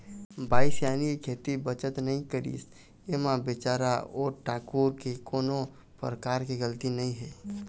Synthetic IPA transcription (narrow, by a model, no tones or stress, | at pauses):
baːɪsjaːnikikʰeːt̪ibət͡ʃət̪nɐɦĩkəɾḭːs | emãbɪt͡ʃaːɾaoːɾʈʰaːkuːɾkikoːno | pɾəkaːɾkiɡəlt̪inəɦĩɦɛː